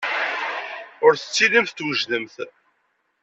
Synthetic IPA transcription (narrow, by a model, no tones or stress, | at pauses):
ʊɾθə̥t͡sːilimθt̪ːwəʒðəmθ